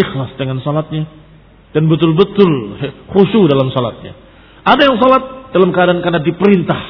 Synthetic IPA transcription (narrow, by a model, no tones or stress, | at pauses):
ixlasdəŋansɔlat̪̚ɲa | d̥anbət̪̬ʊlbət̪ʊlɛχuʃudalamsɔla̰t̪̚ɲa̰ | ʔadajaŋsɔlat̪̚d̥alamkəadankarnadipəɾint̪ah